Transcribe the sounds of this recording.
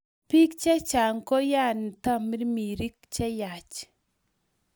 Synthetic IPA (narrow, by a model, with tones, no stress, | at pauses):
pi˦kt͡ʃɛ˦t͡ʃa˨ŋkɔ˦ja˦˨n˨ta˦mi˦ɾmi˨ɾi˦k̚t͡ʃɛ˦ja˨t͡ʃ